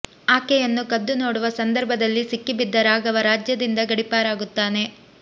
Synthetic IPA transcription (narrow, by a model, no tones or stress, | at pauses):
aːkɛjɐnːukɐd̪ːunoːɽuʋɐsɐnd̪ɐɾbʱɐd̪ɐlːisikːibid̪ːɐɾaːɡɐʋɐɾaːd͡ʒjɐd̪ind̪ɐɡɐɽipaːɾaːɡut̪ːaːne̞